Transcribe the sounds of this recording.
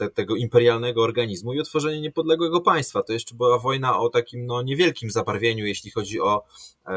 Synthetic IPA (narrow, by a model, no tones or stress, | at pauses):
t̪ɛt̪ɛɡɔimpɛɾjalnɛɡɔːɾɡaɲizmuiɔt̪fɔʐɛɲɛɲɛpɔd̪lɛɡwɛɡɔpaj̃st̪fat̪ɔjɛʂt͡ʂɛbɘwavɔjnaʔɔt̪akʲimnɔɲɛvʲjɛlkʲimzabaɾvʲjeɲujeɕlʲixɔd͡ʑiɔ